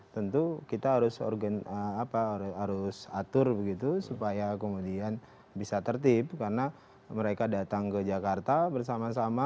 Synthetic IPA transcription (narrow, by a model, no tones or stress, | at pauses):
t̪ənt̪ukit̪aɦaɾʊsɔ̰rɡanəapaɦaɾʊsat̪ʊrbəɡit̪usupajakəmudian | bisat̪ərt̪ip̚karna | məɾekadat̪aŋkəd͡ʒakart̪abərsamasama